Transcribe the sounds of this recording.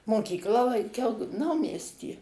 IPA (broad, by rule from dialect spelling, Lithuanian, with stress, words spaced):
moːˈkʲiːklˠɑː lˠɐŋʲˈkʲɛʊ ˈnɐʊmʲiɛsʲtʲiː